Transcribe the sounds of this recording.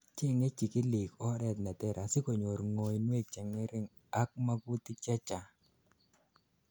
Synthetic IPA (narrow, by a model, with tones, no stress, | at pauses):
t͡ʃɪ˦ŋe˦t͡ʃi˨kɪ˦li˨kɔ˦ɾɛ˨t̪na˨t̪ɛ˨ɾʔa˨sɪ˦ko˨ɲo˨ɾŋo˨jnwe˦t͡ʃɛ˨ŋɛ˦ɾɪ˦ŋ | a˦k̚ma˦ɡu˦t̪ɪ˦t͡ʃɛ˦t͡ʃa˨